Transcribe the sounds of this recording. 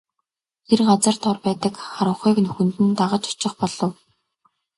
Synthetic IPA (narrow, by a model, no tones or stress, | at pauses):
t̪ʰerɢat͡sə̆r̥t̪ʰɔrpæːt̪ə̆kχaɾə̆ɴχuːknɵxɵ̆nt̪ɘ̆nt̪aʁə̆t͡ɕʊ̥t͡ɕɪ̆χpɔɮɞ̆w